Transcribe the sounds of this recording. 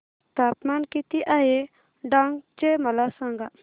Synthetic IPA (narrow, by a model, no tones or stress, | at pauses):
t̪apmankit̪iʔaje | ɖaŋɡt͡ʃeməlasaŋɡa